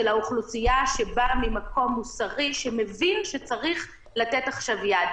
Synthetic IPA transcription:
elauχlusijaʃebamimako̞mːusaʁiʃeme̞vinʃet͡saʁiχ | latetaχʃavjad

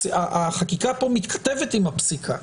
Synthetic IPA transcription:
aʔaχakikapo̞mit̪kʰḁt̪evet̪imapsikʰa

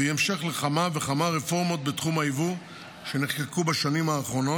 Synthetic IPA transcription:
eemʃeχleχamave̞χamaʁefo̞ʁmo̞t̪̚bet̪χumaivu | ʃe̞niχkekubaʃanimaːχʁo̞no

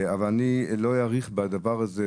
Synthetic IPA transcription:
avalanilojaʁiχbad̪avaʁazɛ

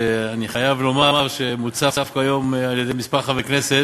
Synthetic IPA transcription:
eaniχajavlo̞maaʁʃemut͡sadafkajo̞maljed̪ejmispaχaveknese

